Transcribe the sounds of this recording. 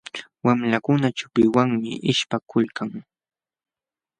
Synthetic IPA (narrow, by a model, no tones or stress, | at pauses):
wamlakʊnat͡ʃʊpɪwaŋmɪ̰ʔɪʃpakʊlkaŋ